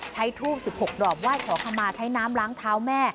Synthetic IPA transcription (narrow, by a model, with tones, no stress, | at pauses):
t͡ɕʰa˦˥jt̪ʰuː˥˩p̚si˨˩p̚ho˨˩k̚dɔː˨˩p̚waː˥˩jkʰɔː˩˦kʰa˧mːaː˧t͡ɕʰa˦˥jnaː˦˥mlaː˦˥ŋt̪ʰaː˦˥wmɛː˥˩